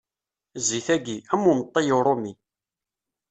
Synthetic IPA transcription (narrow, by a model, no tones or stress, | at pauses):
ziθæɡiæmːumət̪ˤːijuɾˤomi